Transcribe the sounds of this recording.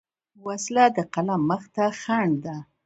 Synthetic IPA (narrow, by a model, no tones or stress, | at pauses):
waslad̪əqalamːəxt̪axaɳd̪a